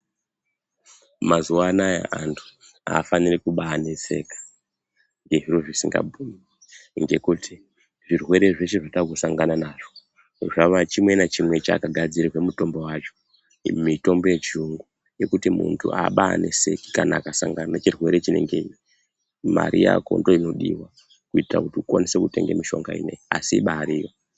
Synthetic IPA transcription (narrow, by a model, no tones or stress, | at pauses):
mazuwanaja̰ʔantʰu̥ | a̰ːfanirikuɓanese̞kḁ | ŋɡe̞ɦiroʐisiŋɡa̰bʱumi | ŋɡe̞kutʰi | ʐirwe̞ɾe̞ʐe̞ʃeʐatakusaŋɡananaʐo | ʐaʋat͡ʃimwe̞nat͡ʃimwe̞t͡ʃa̰ːkaɡʱad͡ziɾiwemuto̞mbo̞wat͡ʃo̞̥ | mito̞mbo̞jet͡ʃiuŋɡu | je̞kutimuntʰṵʔaɓaanese̞ki̥kanakasaŋɡananat͡ʃirwe̞ɾet͡ʃine̞̰ŋɡe̞i | ma̰ɾija̰ko̞̰ndoino̞ɗiwa | kuitira̰kutiukonise̞kute̞ŋɡemiʃo̞ŋɡaḭne̞iasiɓaːɾijo